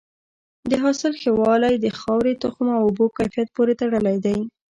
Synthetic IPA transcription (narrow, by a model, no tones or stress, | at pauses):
d̪əɦɑsɪlxewɑlajd̪əxɑwɾet̪ʊxʊmawʊbokajfijat̪̚poɾet̪aɽəlajd̪aj